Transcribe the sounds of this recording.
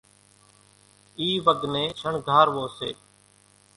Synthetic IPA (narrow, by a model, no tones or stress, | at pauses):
iːʋəɡnẽːʃʰəɳɡʱaːɾʋoːsḛː